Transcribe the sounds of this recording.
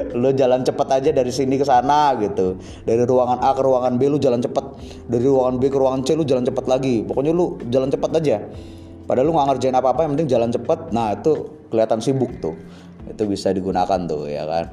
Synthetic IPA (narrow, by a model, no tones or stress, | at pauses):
lud͡ʒalant͡ʃəpət̪ad͡ʒadaɾisinikəsanaɡit̪u | daɾiɾuaŋanʔakəɾuaŋanbelʊd͡ʒalant͡ʃəpət̪̚ | daɾiɾuaŋanbekəɾuaŋant͡ʃɛlʊd͡ʒalant͡ʃəpət̪laɡipokoɲalud͡ʒalant͡ʃəpət̪ad͡ʒa | padaluŋɡaŋərd͡ʒaɪnapaːpajaŋpənt̪ɪŋd͡ʒalant͡ʃəpət̪̚nahit̪u | kəliat̪ansibʊk̚t̪ʊh | ḭt̪ubisadiɡunakant̪ʊ̰ja̰ka̰n